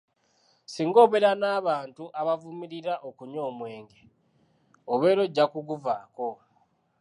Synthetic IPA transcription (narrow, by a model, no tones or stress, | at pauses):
siːŋɡo̞ːβeɾanaːβaːntuʔaβavumiɾiɾaʔokuɲo̞ːmwe̞ːŋɡe̞ | oβe̞ːɾo̞ɟːakuɡuvaːko̞